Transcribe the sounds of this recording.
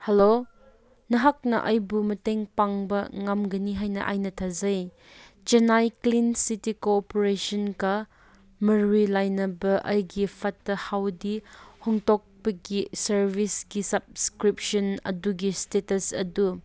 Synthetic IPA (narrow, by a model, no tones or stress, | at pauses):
helo | nɐɦak̚nɐ̰ʔɐjbumɐteŋpaŋbɐŋamɡɐniɦajnɐ̰ʔa̰jnɐtʰazɐj | t͡ʃɐnajklinsitikopoɾesɔnkɐ | mɐɾilajnɐbɐʔɐjɡipʰɐtːɐhawdihɔŋtɔk̚pɐɡisɐɾbisɡisɐb̚skɾip̚sɔnɐ̰duɡistetɐsɐ̰du